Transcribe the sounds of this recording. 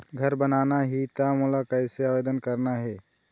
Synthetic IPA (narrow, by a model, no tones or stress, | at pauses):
ɡʱɐɾbənaːnaɦit̪amolakɐɪseaːʋeːd̪ənkəɾnaɦɛː